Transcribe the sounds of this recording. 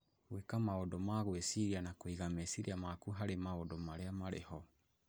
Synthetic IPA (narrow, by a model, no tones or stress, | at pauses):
wekamaodɔmaɣwesiɾianakoiɣamesiɾiamakuɦaɾemaodɔmaɾeamaɾḛhɔ